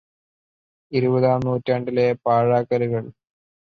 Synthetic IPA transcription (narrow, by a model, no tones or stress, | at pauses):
iɾubɐðaːmnuːtːaːɳɖilepaːɻaːkːɐɾuɣɐɭ